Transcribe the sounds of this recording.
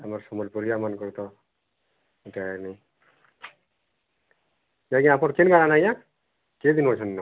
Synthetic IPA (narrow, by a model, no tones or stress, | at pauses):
amaɹsɔmɔlpɔɾijamankɔɹt̪ɔ | itani | jaɡiapɔɾkenkaɾanaja | ked̪inɔsʰɔnːɔ